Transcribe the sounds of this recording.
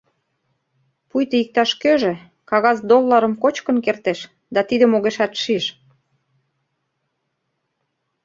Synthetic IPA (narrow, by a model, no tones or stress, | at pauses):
pujt̪əik̚t̪ɑʃkøʒĕ | kɑɣɑzd̪olːɑɾə̆mkot͡ɕkə̆nkert̪eʃ | d̪ɑt̪id̪ə̆moɣeʃæt̪ʃiʃ